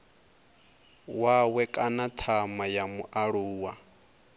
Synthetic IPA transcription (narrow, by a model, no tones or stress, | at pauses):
wawɛkʼanat̪ʰamajamuʔaɺuːwa